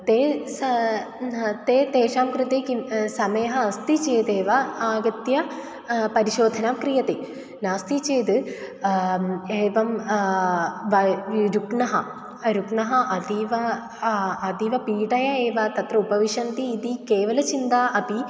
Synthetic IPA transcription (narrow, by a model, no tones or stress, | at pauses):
t̪eːsɐ | t̪eːt̪eːʂaːmkɾɨt̪eːkisɐmeːɦɐːst̪it͡ʃeːd̪eːʋɐaːɡɐt̪jɐ | pɐɾiʃoːd̪ʱɐnaːmkɾijɐt̪e | naːst̪it͡ʃeːd̪ɨ | eːʋɐm | ʋɐɾukɳɐɦɐ | ɾuknɐɦɐʔɐd̪iʋɐ | ɐd̪iʋɐpiːʈɐjɐeːʋɐt̪ɐt̪ɾɐupɐʋiʃɐnt̪iːd̪ikeːʋɐlɐt͡ʃind̪aːʔɐpi